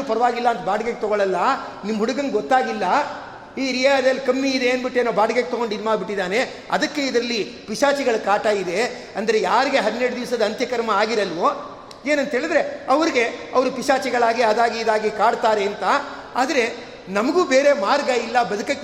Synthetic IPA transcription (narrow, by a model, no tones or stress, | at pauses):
uːpɐɾɐʋaːɡilːɐːnt̪ɐbaːɽɐɡeɡ̚et̪ɔɡoɭɐlːɐ | nimːɐɦuɽuɡɐŋɡeɡɔt̪ːaːɡilːɐ | iːɾijad̪ɐlːkɐmːiːd̪eeːnbiʈːeːnoːbaːɖɡeɡ̚et̪ɔɡo̞ɳɖinmaːɡbiʈːid̪aːne̞ | ɐ̰d̪ɐkːe̞id̪ɐɾɐlːipiʂaːt͡ʃiɡɐɭukaːʈajid̪e̞ | ɐnd̪ɐɾe̞jaːɾiɡe̞ɦɐd̪ineɽud̪iʋsɐd̪ɐɐnt̪jɐkɐɾmɐaːɡiɾɐlʋoː | e̞ːnɐnt̪ɦeːɭid̪ɾe̞ɐʋɐɾiɡe̞ɐʋɐɾupiʂaːt͡ʃiɡɐɭaːɡiɐd̪aːɡiːd̪aːɡikaːɖt̪aːɾeːnt̪ɐ | aːd̪ɐɾe̞ | nɐmɐɡuːbeːɾe̞maːɾɡɐilːɐbɐd̪ukɐkː